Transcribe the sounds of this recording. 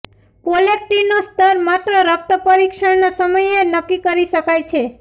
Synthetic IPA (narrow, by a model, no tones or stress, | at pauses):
polek̚ʈinost̪əɾmat̪ɾəɾək̚t̪əpəɾikʃəɽnasəməjenəkːikəɾiʃəkajt͡ʃʰe